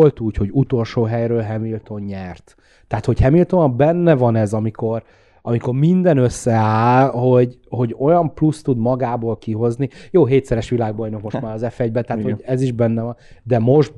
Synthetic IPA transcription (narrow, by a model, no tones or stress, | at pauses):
olt̪uːcho̞ɟut̪o̞lʃoːɦɛjɾøːlɦɛmilt̪o̞ɲɲɛrt̪ː | ɛaːt̪ho̞chɛmilt̪o̞nɒmbɛnːɛvɒnɛzɒmiko̞r | ɒmiko̞rmind̪ɛnøsːɛaːlho̞ɟ | ho̞ɟo̞jɒmplust̪ud̪mɒɡaːboːlkiɦo̞znijoːɦeːt̪sɛɾɛʃʋilaːɡbɒjno̞kmo̞ʃt̪maːɾɒzɛfɛɟbɛt̪ɛaːt̪hoɟɛziʒbɛnːɛvɒnd̪ɛmo̞ʒd̪